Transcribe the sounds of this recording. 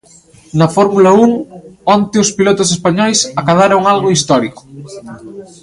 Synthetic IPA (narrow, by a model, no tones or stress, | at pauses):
nɐfɔɾmulɐuŋɔnt̪ɪʊspilot̪ʊsespaɲɔjsakaðaɾoŋalɣoist̪ɔɾikʊ̥